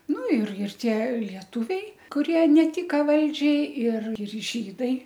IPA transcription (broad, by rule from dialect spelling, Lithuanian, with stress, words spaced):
ˈnʊ ɪr ɪr ˈtʲiɛ lʲiɛˈtʊʋʲɛɪ kʊˈrʲiɛ nʲɛˈtʲɪkɐ ˈʋɐlʲd͡ʒʲɛɪ ɪr ɪr ˈʒʲiːdɐɪ